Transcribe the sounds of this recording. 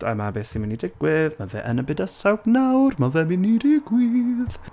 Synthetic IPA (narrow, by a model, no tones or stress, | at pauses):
ɛ̰mabeːsiminidɪɡwɪðmavɛ̰ʔənəbɪdəsawbnawrmavɛminiɾiɡ̥wiːð